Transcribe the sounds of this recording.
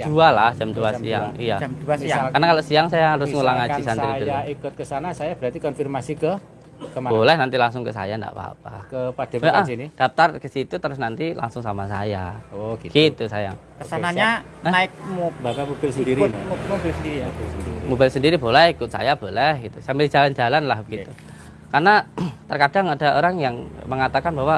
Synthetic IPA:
ualahd͡ʒamd͡ʒuasḭja̰ŋijad͡ʒmd͡ʒuasiakarnakaloʔsiaŋsajahɾʊsŋulaŋaisaniɾijaikʊt̪̚kəsanasajab̥əɾat̪ikɔnfirmasikə | kəmabolɛhnant̪ilaŋsʊŋkəsa̰janda̰ʔpa̰pa̰kəpad̥ɛaʔaəhsinid̥af̚t̪arkəsit̪ut̪əɾʊsnant̪ila̰ŋsʊŋsamasa̰jaoɡiɡ̥it̪usaja̰ | kəsanaɲɲaənaɪk̚mobapamubɪlsədiɾinmobɛlsəndiɾibɪlsəimobɛlsəndiɾibolɛhikʊt̪̚sa̰jab̥olɛhɡit̪usambɪld͡ʒa̤land͡ʒalanlahbəɡ̥it̪u | karnat̪ərkad̥aŋadaʔoɾaŋjaŋməŋat̪akanbawa

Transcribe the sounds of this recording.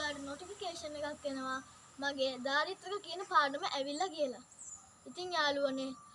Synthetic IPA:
laːʈənoʈifikeːʂənːekakːʋenəʋa | maɡeːd̪aːɾit̪ɾəkəkiənəpaːnəməʔæʋilːɐkijəla | it̪iŋjaːluəne

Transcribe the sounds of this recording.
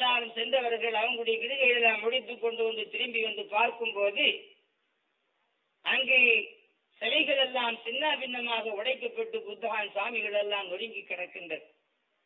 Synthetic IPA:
aːlɯmsɛndɐʋɐɾɾɣɐɭɐʋɐŋɡɯɽɐjɐkɪɽɯɣɐjɻɛlːaːmːʊɽɪt̪ːɯkːɔɳɖɯʋɐnd̪ɯt̪ɪɾɯmbɪʋɐnd̪ɯpaːɾkɯmpoːðɯ | ʔɐŋɡeː | sɐʋɐɪɣɐɭɛlːaːmsɪnːabɪnːɐmaːɣɐʊɽɐɪkːɐpːɐʈːɯbʊðːɐɣaːnsaːmɪɣɐɭɛlːaːmnɔɽɪŋɡɯkːɪɽɐkːɯndɐɾ

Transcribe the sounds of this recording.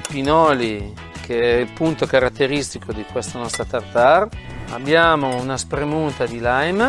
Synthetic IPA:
pinɔːli | kʰeɛilpunt̪okaɾat̪ːeɾist̪ikʰod̪ikwest̪anɔst̪ɾat̪art̪ara̰bːjaːmounaspɾemunt̪ad̪ilajm

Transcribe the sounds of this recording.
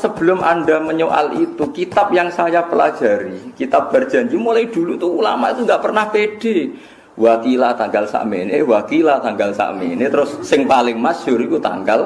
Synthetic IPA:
səb̥ə̤lʊmʔa̰ndaməɲoʔa̰lit̪ukit̪ap̚jaŋsajapəlḁd͡ʒ̥a̤ɾikit̪ap̚b̥ard̥ʒ̥a̤ɲd͡ʒumulaid̪̥ulut̪uula̰mait̪uŋɡaʔpərnahpeɖ̥e | wakilat̪aŋɡalsa̰ʔmenewakilat̪aŋɡalsa̰ʔmḛnet̪əɾʊsːɪŋpalɪŋmasʊɾikut̪a̰ŋɡal

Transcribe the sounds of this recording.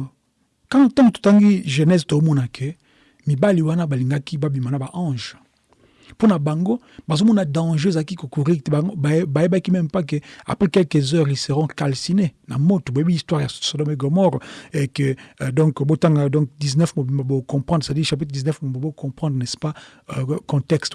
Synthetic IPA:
kãtɑ̃kto̥taŋɡiʒenɛztoomɔnakʰe | mibaliwanabaliŋɡakibabimanabaʔɑ̃ʒ | ponabaŋɡo | bazomɔnadɑ̃ʒeezaikikokuʁibajebakimɛmpak̬ea̰pχɛkɛlkəzœʁiseʁɔ̃kalsinena̰motobojebiistwaʁjasodɔmeɡomɔʁekədɔ̃kbotaŋɡadɔ̃kdiznɛfmobimbabokɔ̃pʁɑ̃dʁsadiʁʃap̬it̪χdiznɛfmobobokɔ̃pχɑ̃d̪ʁnɛspa | kɔ̃tɛkst

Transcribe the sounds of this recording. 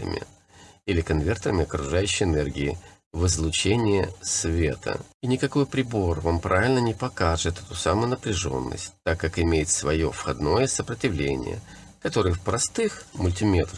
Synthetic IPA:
ə̰mʲɪ̰ | ilʲɪkɐnvʲe̞rt̪əɾəmʲɪɐkɾʊʐajʉɕːɪjɪnɛrɡʲɪɪ | vɨzlˠʊt͡ɕenʲɪjəsvʲet̪ʰə̰inʲɪkɐko̞jpɾʲɪbo̞rvampɾʔavʲɪlʲnənʲɪpɐkaʐɨt̪ɛt̪ʊsamʊjʊnəpɾʲɪʐo̞̰nːə̰sʲtʲt̪akːakɪmʲejɪt̪svɐjo̞̰fxɐd̪no̞jəsəpɾətʲɪvlʲḛnʲɪ̰jə̰ | kɐt̪o̞ɾɨjəfpɾɐst̪ɨxmʊlʲtʲɪmʲet̪ə

